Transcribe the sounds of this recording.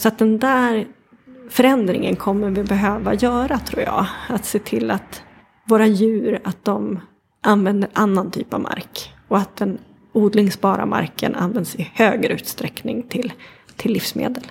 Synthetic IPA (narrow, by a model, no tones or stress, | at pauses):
sɔat̪̚d̪ɛnd̪æːɾ | fœɾɛnd̪ɾɪ̰ŋə̰nkʰɔmːəɾvɪbɛɦøːva̰jœːɾat̪ʰɾṵːɾjɑ̰ːat̪seːt̪ʰɪlːat̪ | voːɾajʉ̟ːɾat̪̚d̪ɔm | ʔanvɛnd̪əɾʔanːant̪ʰy̰ːpavmʔa̰ɾk | ɔat̪̚d̪ɛn | uːd̪lɪŋsbɑːɾa̰ma̰ɾkə̰nʔa̰nvɛnd̪sɪhøːɡɾʉ̟ːt̪st̪ɾɛknɪŋt̪ʰɪlt̪ʰɪlːɪfsmḛːd̪əl